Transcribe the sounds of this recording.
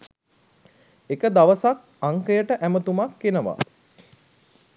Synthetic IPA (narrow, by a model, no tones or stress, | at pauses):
ekəd̪aʋəsak̚aŋkəjəʈəʔæmət̪umakːenəʋa̰